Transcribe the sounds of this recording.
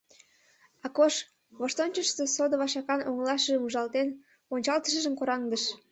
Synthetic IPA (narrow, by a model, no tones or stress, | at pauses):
ɑkoʃ | βoʃt̪onʲt͡ɕəʃsesod̪oβɑʃɑkɑnoŋlɑʃəʒəmuʒɑlt̪en | onʲt͡ɕɑlt̪ə̥ʃəʒəmkoɾɑŋd̪əʃ